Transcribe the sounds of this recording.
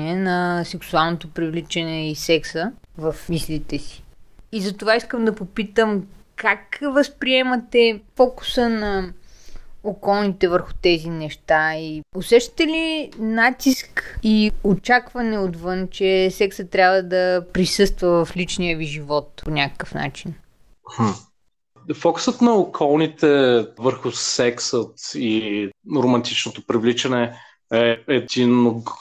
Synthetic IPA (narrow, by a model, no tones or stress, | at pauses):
ɛnɐsɛksualˠnot̪opɾivlit͡ʃɛnɛisɛksəvɐfmislit̪ɛsi̥izɐt̪ovaiskəmd̪ɐpopit̪əmkakvəspɾiɛmɐt̪ɛfɔku̥sənɐ | okɔlˠnit̪ɛvəɾxʊ̥t̪ɛzinɛʃt̪aiosɛʃt̪ə̥t̪ɛlinat̪iskiot͡ʃakvɐnɛot̪vɤnt͡ʃɛsɛksət̪ːɾʲabvəd̪ɐpɾisɤst̪vɐvɐflit͡ʃnijəviʒivɔt̪̚ponʲakə̥kəfna̰t͡ʃin̩ | h̩ | fɔksət̪nɐokʰɔlˠnit̪ɛvəɾxʊsɛksət̪iɾomɐnt̪it͡ʃnot̪opɾivlit͡ʃɐnɛ | ɛɛd̪inoɡ